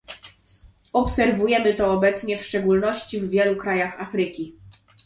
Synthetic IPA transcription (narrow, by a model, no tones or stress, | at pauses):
ɔpsɛɾvujɛmɘt̪ɔːbɛt̪sɲɛfʂt͡ʂɛɡulnɔɕt͡ɕivːʲjɛlukɾajaxafɾɘkʲi